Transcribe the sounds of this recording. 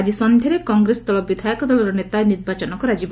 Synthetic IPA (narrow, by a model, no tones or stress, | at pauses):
d͡ʒisɔnd̪ʱɔɾekɔŋɡɾest̪ɔlɔbid̪ʱajɔkɔd̪ɔlɔɾɔnet̪aeniɾbat͡ʃɔnɔkɔɾad͡ʒib